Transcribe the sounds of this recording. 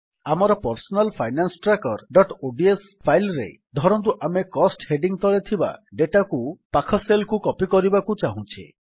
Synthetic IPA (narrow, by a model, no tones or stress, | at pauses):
amɔɾɔpɔɾsɔnalpʰajnansɔʈɾakɔɾɖɔʈoɖies | pʰajlɾḛ | d̪ʱɔɾɔnt̪̬uʔamekɔsʈheɖiŋt̪ɔɭet̪ʰiba̰ɖeʈakupakʰɔselkukɔpikɔɾibakut͡ʃaɦũt͡ʃʰḭ